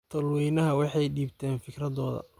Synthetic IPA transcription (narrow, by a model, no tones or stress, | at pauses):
t̪ʰɐlwɛjnɐɦɐwɑħɑjɖiːbt̪ʰɛːnfɪkrɐðɔːðɐ̰